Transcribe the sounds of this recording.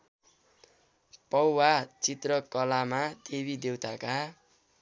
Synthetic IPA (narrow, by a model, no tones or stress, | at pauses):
pʌwwat͡sit̪rʌkʌlamat̪eβid̪ewt̪ʰaka